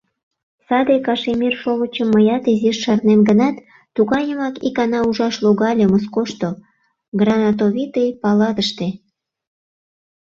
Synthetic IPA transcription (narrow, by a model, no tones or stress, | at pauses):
sɑd̪ekɑʃemirʃoβət͡ɕəmːəjɑt̪iziʃːɑrnenɡənɑt̪ː | uɣɑjəmɑkḭkɑnɑuʒɑʃloɣɑlʲeməskoʃt̪o | ɡrɑnɑt̪̬oβit̪ejpɑlɑd̪əʃt̪e